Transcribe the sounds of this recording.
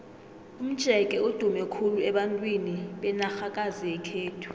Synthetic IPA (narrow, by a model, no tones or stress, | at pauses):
um̩d̥ʒ̥ʱɛkʼɛod̥ʱumɛkʰuluɛɓantʼwiniɓɛnaxakʼaziɛkʰeːtʰu̥